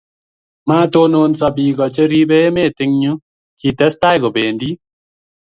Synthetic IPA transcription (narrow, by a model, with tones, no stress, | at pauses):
maː˦to˦no˦nsa˧bi˨ɡɔ˨t͡ʃe˦ɾi˦be˦e˦meː˦˨tɪ˦ŋɲu˦ | ki˨tɛ˦sta˦jɡo˨beː˨ndi˦